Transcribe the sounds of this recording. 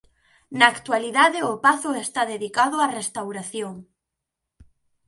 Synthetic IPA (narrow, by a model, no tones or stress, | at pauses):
naːkt̪waliðaðɪʊpaθʊest̪aðeðikaðʊarest̪awɾaθjoŋ